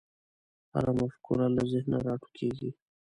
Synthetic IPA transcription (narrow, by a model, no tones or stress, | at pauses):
ha̰ɾamafkʰṵɾalazɪhna̰ɾɑʈu̥kʰeɡi